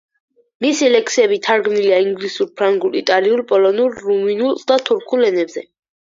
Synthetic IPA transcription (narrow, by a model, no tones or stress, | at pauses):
misilɛksiɛbit̪ʰaɾɡmniliaiŋɡlisuɾpʰɾaŋɡulit̪ʼaliulpʼɔlɔnuɾːuminulˠd̪at̪ʰuɾkʰulɛnɛbzɛ